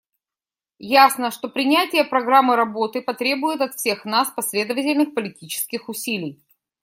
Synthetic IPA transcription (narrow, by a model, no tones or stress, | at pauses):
jasnəʂt̪o̞pɾʲɪnʲætʲɪjəpɾɐɡɾamːɨɾɐbo̞t̪ɨpɐt̪ɾʲe̞bʊjɪt̪ɐt̪fsʲe̞xnaspɐsʲlʲe̞d̪əvətʲɪlʲnɨxpəlʲɪtʲit͡ɕɪ̥skʲɪxʊsʲilʲɪj